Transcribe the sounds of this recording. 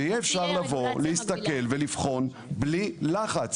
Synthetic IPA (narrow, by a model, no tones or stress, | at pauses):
ejɛːfʃaʁlavo̞lehist̪ake̞lvelifχo̞n | blilaχat͡s